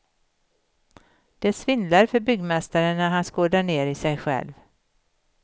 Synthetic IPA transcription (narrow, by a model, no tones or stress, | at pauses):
d̪̥ɛsvɪnd̪laɾfœɾbʏɡmɛst̪aɾənːæɾɦanskoːdæɳeːɾɪsɛjɧɛ̰lv